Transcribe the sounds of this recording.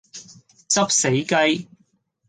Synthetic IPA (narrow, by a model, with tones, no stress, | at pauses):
t͡sɐ˥p̚se˨˥jkɐ˥j